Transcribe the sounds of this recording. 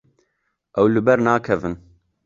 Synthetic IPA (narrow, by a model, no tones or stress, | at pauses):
ʔɛwlɨbɛɾnaːkʰɛvɨn